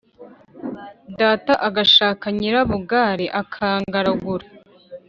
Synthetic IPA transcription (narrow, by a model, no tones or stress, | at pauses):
daːtaʔaɡaʃaːkaɲiɾaβuɡaːɾiʔakʰaːŋɡaɾaɡuɾa